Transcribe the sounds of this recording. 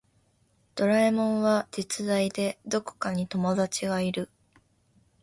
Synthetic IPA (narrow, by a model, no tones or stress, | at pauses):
d̪̥o̞ɾaimõ̞ɰ̃βad͡ʑit͡sɨd̪aid̪e̞d̪o̞ko̥kaɲ̟it̪o̞mo̞d̪at͡ɕiɡaiɾɯ̟